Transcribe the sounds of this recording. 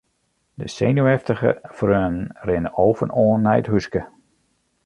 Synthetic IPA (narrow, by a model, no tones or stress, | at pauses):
dəsejnuɛftəɣə̰frøːnn̩rɪnəʔoːvənoːənːɛjətɦuskə